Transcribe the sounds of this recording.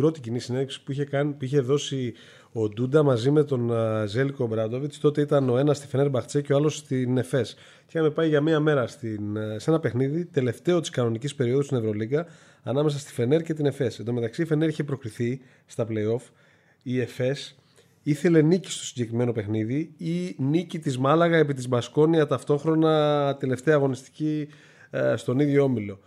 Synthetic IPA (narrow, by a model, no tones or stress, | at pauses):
bɾo̞t̪icinisineðefsi̥puiçekɐnipiçe̞ðo̞si | o̞d̪ud̪ɐmɐzime̞t̪o̞nze̞liko̞bɾɐd̪o̞vist̪o̞t̪e̞it̪ɐno̞e̞nɐst̪i̥fe̞neɾbɐxt͡se̞ceɐlo̞st̪ine̞fe̞s | ceɐmepɐjʝɐmiɐme̞ɾɐst̪inse̞nɐpe̞xniðit̪e̞le̞ft̪e̞o̞t̪i̥skɐno̞nicispe̞ɾio̞ðust̪ine̞vɾo̞liɡɐ | ɐnɐmesɐst̪i̥fe̞ne̞ɾce̞t̪̬ine̞fe̞send̪o̞me̞t̪ɐksife̞neɾiçe̞pɾo̞kɾiθi | st̪ɐple̞jo̞f | ie̞fe̞s | iθe̞le̞nici̥st̪o̞siɲɟe̞kɾime̞no̞pe̞xniðiinicit̪izmɐlɐɣɐe̞p̬it̪izmɐsko̞niɐt̪ɐft̪o̞xɾo̞nɐt̪e̞le̞ft̪e̞ɐːɣo̞nist̪i̥ci | st̪o̞niðʝo̞omilo̞